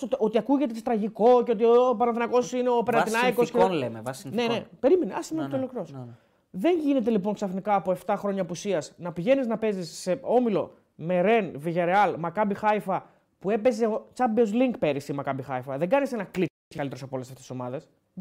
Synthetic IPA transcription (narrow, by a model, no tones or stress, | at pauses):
oo̞t̪iɐkuʝe̞t̪eset̪ɾɐʝiko̞ceot̪iopɐɾɐθinɐko̞sine̞o̞peɾɐinɐikoskelemevɐsne̞nepe̞ɾimeneɐsimet̪eolokɾos | ðe̞nʝine̞t̪e̞lip̬o̞ŋksɐθnikɐːpo̞eft̪ɐxɾo̞ɲɐpusiɐsnɐpiʝe̞niznɐpe̞zisːe̞o̞milo̞̰ | me̞ɾe̞nviʝɐɾeɐlmɐkɐbixɐifɐ | pue̞pe̞ze̞ot͡sɐbeozliŋk̚pe̞ɾisimɐkɐbixɐifɐðeɡɐnise̞nɐklitikɐlit̪ɾosɐpolesɐft̪eso̞mɐðe̞s